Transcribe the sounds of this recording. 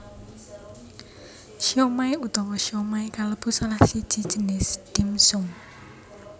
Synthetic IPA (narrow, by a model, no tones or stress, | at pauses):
ʃiomaiut̪ɔwɔʃiomaikaləb̥ṳsalahsid̥ʒ̥i̤d̥ʒ̥ə̤nɪsd̥imsʊŋ